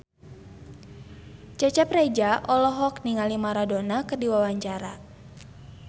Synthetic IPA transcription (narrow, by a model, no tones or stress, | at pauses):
t͡ʃat͡ʃapred͡ʒaʔɔlɔɦɔkniŋalimaɾadonakərdiwawaɲt͡ʃaɾa